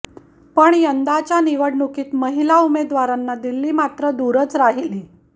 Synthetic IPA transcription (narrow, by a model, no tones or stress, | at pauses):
pəɳjənd̪at͡ɕjaniʋəɽnukiːt̪məɦilaumed̪ʋaɾanːad̪ilːiːmat̪ɾəd̪uɾət͡sɾaɦiliː